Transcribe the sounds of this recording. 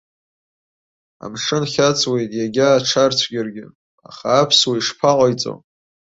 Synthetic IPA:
a̰mʂɨnχʲat͡sʰʼwe̞jtʼjaɡʲaːʈ͡ʂʰart͡sʷʰɡʲɪrɡʲɪ | a̰χaːpʰswaiʂpʰaqʼajt͡sʼo̰

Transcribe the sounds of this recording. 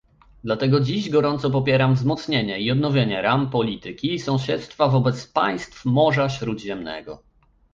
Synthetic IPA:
d̪lat̪ɛɡɔd͡ʑiʑɡɔɾɔnt̪sɔp̬ɔpʲjeɾamvzmɔt̪sɲeɲɛiɔd̪nɔvʲjeɲɛɾampɔlʲit̪ɘkʲiːsɔ̃w̃ɕɛt̪st̪favɔbɛt̪spa̰j̃st̪fmɔʐaɕɾud̪ʑɛmnɛ̰ɡɔ̰

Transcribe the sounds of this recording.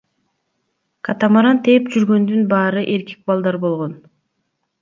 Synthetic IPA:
kʰat̪amaɾant̪ʰe̞pd͡ʒyɾɡø̞nd̪ynbɑːɾɯʔe̞ɾki̥k̚bɑlˠd̪ɑɾbo̞lˠʁo̞n

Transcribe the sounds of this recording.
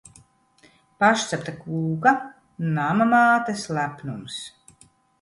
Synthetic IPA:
paʃt̪sapt̪akuːɡa | namamaːt̪ɛslæpnums

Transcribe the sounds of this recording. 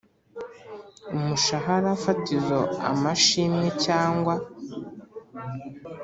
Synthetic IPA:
umuʃaɦaɾafatizoa̰maʃimecaːŋɡwa

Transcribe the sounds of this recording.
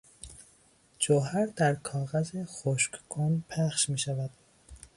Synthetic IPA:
d͡ʒoɦæɾd̪æɾkʰɒːɣæzexoʃkkʰonpʰæχʃmiːʃævæd̪̥

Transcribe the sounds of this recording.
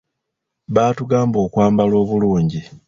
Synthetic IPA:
βaːtuɡaːmbo̞ːkwaːmbalo̞ːβuluːɲɟi

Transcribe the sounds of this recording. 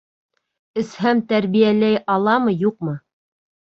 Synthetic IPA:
ɘ̆shæmt̪æɾβijælæjʔɑlˠɑmɤjuqmɤ

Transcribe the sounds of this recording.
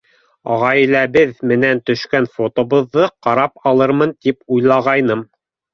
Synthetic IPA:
ɑ̰ʁɑj̆læβɘðmɘ̆nænt̪ɵ̆ʃkænfot̪ŏβɤ̆ðːɤqɑɾɑpɑlˠɤɾmɤnt̪ipujlˠɑʁɑjnɤm

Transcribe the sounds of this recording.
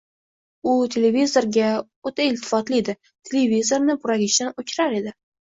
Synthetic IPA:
ʊt̪ʰe̞levizo̞ɾɡʲa | ot̪ʰaɪlt̪ʰɪ̥fɒt̪lɪed̪ɪ | t̪ʰelevizo̞ɾnɪbʊɾaɡʲɪʃd̪anot͡ʃʲʰɾaɾe̞d̪ɪ

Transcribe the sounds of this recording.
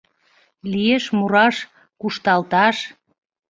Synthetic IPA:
lieʃmuɾɑʃ | kuʃt̪ɑlt̪ɑʃ

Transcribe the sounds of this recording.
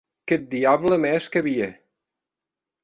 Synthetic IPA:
ket̪̚d̪iaβləmɛʃkəβie

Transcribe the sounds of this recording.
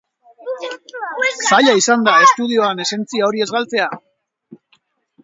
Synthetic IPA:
saʎaisand̪ae̞st̪uð̞io̞ane̞se̞nt͡siao̞ɾie̞zɣalt͡se̞a

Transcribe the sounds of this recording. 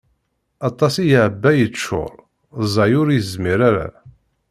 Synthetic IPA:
ɑt̪ˤːɑsijʕəbːæjət͡ʃːʊ̰ɾˤ | zˤɑjʊɾjzmiɾaɾa̰

